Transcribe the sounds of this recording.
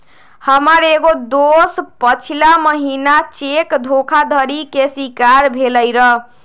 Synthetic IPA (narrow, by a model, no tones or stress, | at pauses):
həməɾeɡod̪ospət͡ʃʰilaməɦinat͡ʃekd̪ʱokʰad̪ʱəɾikesikaɾbʱeləjɾəɦ